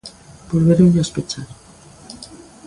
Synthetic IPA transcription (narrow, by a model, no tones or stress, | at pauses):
bolβeɾoʎaspet͡ʃaɾ